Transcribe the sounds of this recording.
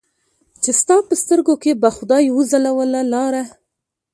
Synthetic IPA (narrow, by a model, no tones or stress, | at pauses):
t͡ʃest̪ɑpəst̪əɾɡokebaxʊd̪ɑjwuzalawəlalɑɾa